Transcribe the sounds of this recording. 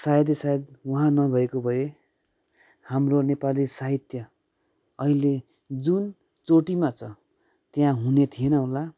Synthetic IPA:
saɦed̪̬jesaed̪wʌɦãnʌbʱʌekobʱʌje | hamronepalisaɦit̪jʌ | ʌɦile | d͡zun | t͡soʈimat͡sʰʌ | t̪jãɦunet̪ʰienʌɦola

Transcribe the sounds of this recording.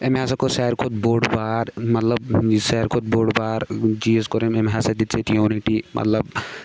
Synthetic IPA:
emɦasɐkosɛːɾkʰot̪̚boːɖbaːɾmɐt̪lɐbsɛɾkʰot̪̚boːɖbaːɾd͡ʒiːzkoɾememɦaːsɐd̪it̪sʰet̪joːniʈimʔɐ̰t̪lɐb

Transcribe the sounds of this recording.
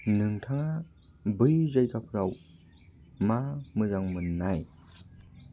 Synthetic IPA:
nɯŋtʰaŋa | bɯjzajkapʰɯɾaw | mamɯzaŋmɯnnːaj

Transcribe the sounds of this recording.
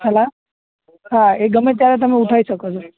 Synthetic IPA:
ɦəla | ɦãeɡəmet̪jaɾet̪̬əmeuʈʰaisəkot͡ʃʰo

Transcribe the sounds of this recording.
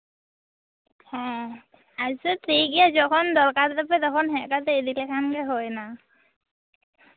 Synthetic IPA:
hɛ̃ | asɔtɹiɡijazɔkʰɔnd̪ɔɹkaɹt̪apɛt̪ɔkʰɔnɦɛkat̪ɛed̪ilɛkʰankɛɦɔjna

